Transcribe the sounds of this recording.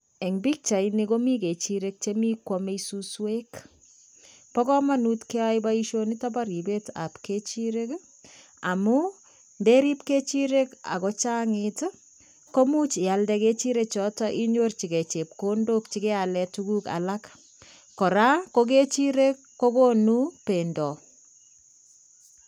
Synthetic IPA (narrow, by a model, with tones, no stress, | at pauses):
ɛ˨ŋbi˦k̚t͡ʃa˨inikomi˦ke˨t͡ʃiɾek̚t͡ʃemi˦kwɔmesuswek | pɔ˦kɔ˦manutkɛ˦ajbaiʃonita˦ba˦ɾi˨be˦ta̰˨pket͡ʃiɾek | a˨mu˦ | ndeɾi˦p̚ke˦t͡ʃiɾe˦ka̰˨kɔt͡ʃa˦ŋɪt | ko˦mu˦t͡ʃja˨ldɛke˦t͡ʃi˦ɾek̚t͡ʃɔ˦tɔʔi˦ɲort͡ʃi˨ɡe˨t͡ʃe˨p̚ko˦ndo˦kt͡ʃi˦ke˦alɛtuku˦ka̰˨la˦k | kɔ˨ɾa˦ko˦k̬e˦t͡ʃi˦ɾekːo˦ko˦nu˦pe˨ndɔ˨